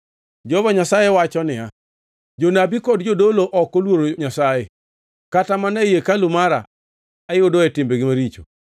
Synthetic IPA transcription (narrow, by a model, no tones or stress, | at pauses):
d͡ʒɔvaɲasajewat͡ʃɔnɪa | d͡ʒonabikɔdd͡ʒodoloʔɔkolwoɾoɲasaje | katamanajekalʊmaɾa̰ | ajodoɛtɪmbeɡɪmaɾit͡ʃo̰